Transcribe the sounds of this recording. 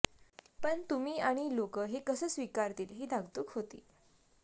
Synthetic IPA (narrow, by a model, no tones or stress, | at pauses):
pəɳt̪umiːaɽ̃ilokəːɦekəsəːsʋikaɾt̪iːlɦiːd̪ʱaɡt̪uːkɦot̪ḭː